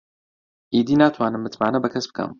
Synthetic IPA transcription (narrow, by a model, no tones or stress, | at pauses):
ʔiːd̪iːnaːt̪ʰwaːnɨmmɨt̪maːnɐbɨkʰɐsbɨ̥kʰɛ̰m